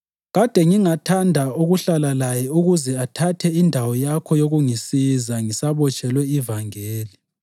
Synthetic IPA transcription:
ɣad̥ʱɛŋiŋatʰandʱauɣuɬalalajɛuɣuzɛatʰatʰɛindʱawɔjakʰɔjoɣuŋisizaŋisaβɔt͡ʃʼɛlwɛivaŋeːli

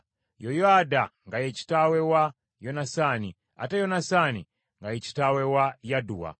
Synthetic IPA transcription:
jɔjɔadaŋɡajɛt͡ʃi̥tawɛwa | jɔnasani | a̰tajɔnasani | ŋɡajɛt͡ʃi̥tawɛwajaduwa̰

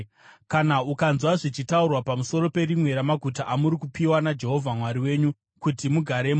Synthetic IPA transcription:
kanaukanzwaʐit͡ʃitaurwapamuso̞ɾo̞pe̞ɾimwe̞ɾamaɡʱutaʔamuɾikupiwanad͡ʒe̞ɦo̞vʱamwaɾiwe̞ːɲu | kutimuɡʱaɾem

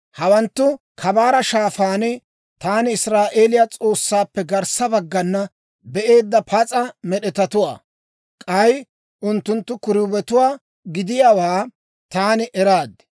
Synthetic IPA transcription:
hɐwɐnt̪ːʊ | kʰɐbaːɾɐʃaːfaːnɪ | t̪aːnɪɪsɾaːʔe̞ːlɪjat͡sʼo̞ːsːaːpːɛɡɐɾsɐbɐɡːɐnːɐ | bɛʔe̞ːd̪ːɐpʰɐt͡sʼɐmɛɗɛt̪ɐt̪ʊwa̰ː | kʼɐj | ʔʊnt̪ːʊnt̪ːʊkʊɾʊbɛt̪ʊwaː | ɡɪd̪ɪjaːwaː | t̪aːnɪʔɛɾaːd̪

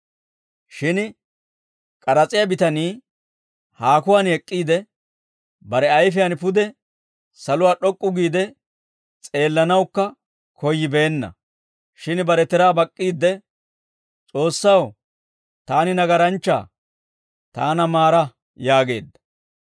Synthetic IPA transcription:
ʃɪn | kʼɐɾɐt͡sʼɪjabɪt̪ɐniː | haːkʊwaːnɛkʼːiːd̪ɛ | bɐɾɛɐjfɪjɐnpʊd̪ɛ | sɐlʊwaːɗɔkʼːʊɡiːd̪ɛ | t͡sʼe̞ːlːɐnɐwkːɐ | kɔjːɪbeːnːɐ̰ | ʃɪnbɐɾɛt̪ɛɾaːbɐkʼːiːd̪ːɛ | t͡sʼo̞ːsːɐw | t̪aːnɪnɐɡɐɾɐnt͡ʃːa̰ː | t̪aːnɐmaːɾɐ | jaːɡe̞̰ːd̪ːɐ̥

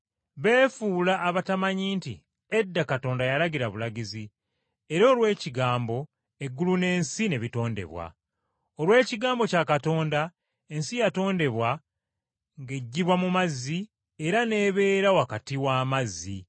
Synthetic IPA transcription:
βe̞ːfulaːβatamaɲiːntḭ | edːakato̞ːndajalaɡiɾaβulaɟizi | e̞ɾo̞ːlwe̞ːciɡaːmbo̞ | e̞ɡːulune̞ːnsine̞βito̞ːnde̞̰βwa̰ | olwe̞ːciɡaːmbo̞cakato̞ːnda | e̞nsijato̞ːnde̞βwa | ŋɡe̞ɟːiβwamumazːi | eɾane̞βe̞ːɾawakatiwaːmazːḭ

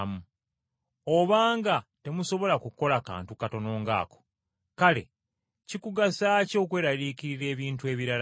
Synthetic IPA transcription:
mu | oβaːŋɡate̞muso̞βo̞lakuko̞laka̰ːntukato̞no̞ːŋɡa̰ːko̥ | kale̞̰ | cikuɡasaːco̞ːkwe̞ːɾaliːkiɾiɾe̞ːβiːntue̞ːβiɾal

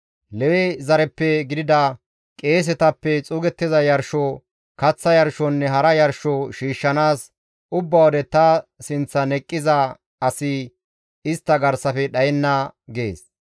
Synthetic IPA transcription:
lɛwɛzɐɾɛpːɛɡɪd̪ɪd̪ɐ | kʼe̞ːs̬ɛt̪ɐpːɛt͡sʼʊːɡɛt̪ːɪzɐjɐɾʃɔ | kɐt͡sːɐjɐɾʃɔnːɛɦɐɾɐjɐɾʃɔʃiːʃːɐnaːs | ʊbːɐwɔd̪ɛt̪ɐsɪnt͡sːɐnɛkʼːɪzɐ | ɐsɪ | ɪst̪ːɐɡɐɾsɐfɛɗɐjɛnːɐɡḛːs

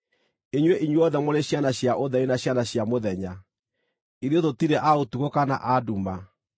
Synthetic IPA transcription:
eɲweʔiɲweɔðɛmoɾeɕjanaɕjaʔoðɛinaɕjanaɕjamoðɛɲa | iɾeðotiɾɛʔaotuɣokana̰ʔaduma

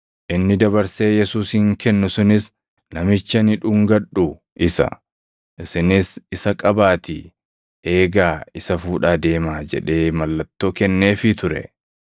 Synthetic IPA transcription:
ʔɪnːɪd̪ɐbɐɾse̞ːjɛsuːshɪŋkɛnːʊsʊnɪs | nɐmɪt͡ʃːɐnɪᶑʊŋɡɐᶑʊ | ʔɪsɐ̰ | ʔɪsɪnɪsɪsɐkʼɐbaːt̪ɪ | ʔe̞ːɡaːɪsɐfuːᶑaːd̪e̞ːmaːd͡ʒɛ̰ᶑe̞ːmɐlːɐt̪ːoːkɛnːe̞ːfɪt̪ʊɾɛ̰

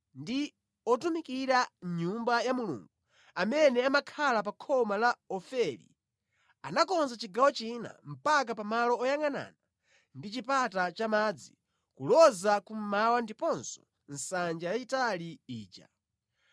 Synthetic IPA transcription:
ndi | ɔtumikiɾaɲumbajamulṵŋɡu | amɛnɛamakʰalapakʰɔmalaɔfɛɾḭ | anakɔnzat͡ʃiɡawɔt͡ʃina̰m̩pak̬apamalɔɔjaŋana̰ːna | ndit͡ʃipatat͡ʃamad͡zi | kulɔzakum̩mawandipɔnsɔ̥ | n̩sand͡ʒajat͡ʃitaliiːt͡ʃa̰

